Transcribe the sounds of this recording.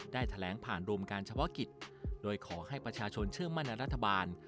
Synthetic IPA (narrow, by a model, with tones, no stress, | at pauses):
daː˥˩jt̪ʰa˧lɛː˩˦ŋpʰaː˨˩nɾu˧əmkaː˧nt͡ɕʰa˧pʰɔ˦˥ki˨˩t̪̚doː˧jkʰɔː˩˦ha˥˩jpɾa˧t͡ɕʰaː˧t͡ɕʰo˧nt͡ɕʰɯ˥˩əŋma˥˩nːɛ˧ɾa˦˥t̪ʰːa˧baː˧n